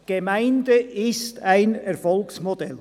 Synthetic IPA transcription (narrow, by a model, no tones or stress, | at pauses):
ɡ̥emaɪndəɪstaɪnɛɾfɔlksmod̥ɛl